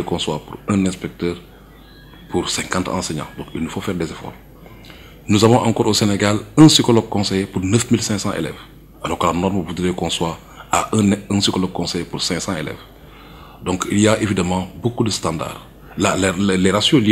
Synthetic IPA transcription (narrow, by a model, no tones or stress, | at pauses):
ekɔ̃swapuɾɛ̃nɛ̃spɛk̚təːɾ | puɾsɛ̃ŋkãntã̰seɲɑ̰̃dɔ̃kilnufofɛːɾdɛzefɔ̰ːɾ | nuzavɔ̃ʔã̰ŋkɔːɾoseneɡalɛ̃sikolɔɡ̚kɔ̃sɛjpuɾnəfmilsɛ̃ŋksãʔḛlɛ̰v | alɔːɾklanɔɾməvutɾekɔ̃swa | aʔnə̃sikolɔɡ̚kɔ̃sɛjpuɾsɛ̃ŋksɑ̃ḛlɛ̰v | dɔ̃ŋkiljaʔevidamɑ̃bokudəstãnda̰ːr | lallɛɾasjõli